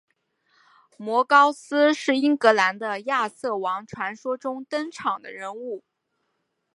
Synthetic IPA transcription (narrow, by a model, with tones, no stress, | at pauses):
mwɔ˧˥kɑ˥ʊsɹ̩˥ʂɻ̩˥˩i˥ŋkɤ˧˥la˧˥nd̪ə˧ja˥˧sɤ˥˩wɑ˧˥ŋʈ͡ʂʰwa˧˥nʂwɔ˥ʈ͡ʂʊ˥ŋt̪ə˥ŋʈ͡ʂʰɑ˨˩ŋd̪ə̰˦ɻə˧˥nu˥˩